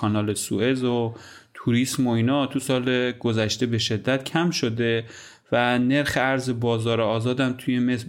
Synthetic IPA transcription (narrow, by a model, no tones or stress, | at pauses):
ɒnɒːlesṵe̞zot̪ʰuɾismo̞iːnɒt̪ʰusɒːleɡozæʃt̪e̞be̞ʃe̞d̪ːæt̪cʰæmʃo̞d̪e̞ | væne̞ɾxeæɾze̞bɒːzɒːɾeɒːzɒːd̪æmt̪ʰuje̞mes